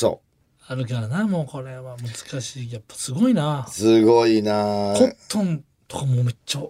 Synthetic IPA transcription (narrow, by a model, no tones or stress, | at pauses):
so̰ | aɾɯ̟kaɾanamo̞ːko̞ɾe̞βamɯ̟zɨ̥kaɕiːjapːḁsɨɡo̞inasɨɡoinakot̪ʰːõn | t̪o̞̥kamo̞ːmet͡ɕːo